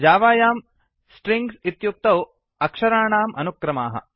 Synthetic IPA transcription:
d͡ʒaːʋaːjaːm | sʈɾiŋɡsit̪juk̚t̪ɐw | ɐkʂɐɾaːɳaːmʔɐnukɾɐmaːɦɐ̰

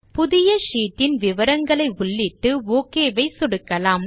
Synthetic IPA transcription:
pʊðɪjɐʂiːʈːɪnʋɪʋɐɾɐŋɡɐɭɐɪʊɭːɪʈːɯoːkeːʋɐɪsʊɽɯkːɐlaːm

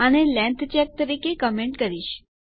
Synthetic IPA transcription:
ənelɛ̃nt̪ʰt͡ʃɛk̚t̪əɾikekəmeɳʈkəɾiʃ

